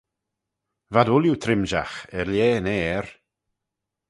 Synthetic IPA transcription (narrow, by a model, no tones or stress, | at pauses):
vadʊljut̪ʰɾɪmʒaxɛɾljeːneːɛɹ